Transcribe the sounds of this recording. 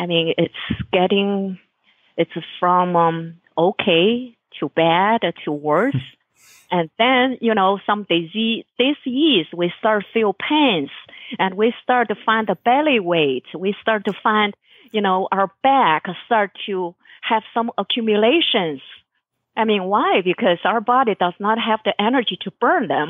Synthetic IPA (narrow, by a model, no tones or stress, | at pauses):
aɪmĩnɪtsɡ̥ɛɾɪ̃ŋ | ɨtsfɹʌ̃mʌ̃m | oʊkʰeɪ | tʰɨbæɾtʰəwɜ˞s | ʔɨ̃nðɨ̃njɨnoʊsʌ̃mðɪziðɪsizwistɑɹtfilˠpʰæ̃nsʔɨ̃nwistɑɹt̚tɨfãɪ̃nðəbɛlˠiweɪtswistɑɹtɨfãɪ̃nd | jɨnoʊʔaʊə˞b̥ækstɑɹtʰuhɨv̥sʌ̃məkʰj̥ʉmjɨleɪʃɨ̃nz̥ | ʔaɪmĩnwaɪbɨkʰʌz̥aʊə˞bɑɾidʌznət̚ɦɨvðiʔɛnə˞d͡ʒiɾɨb̥ɜ̃˞nðɨ̃m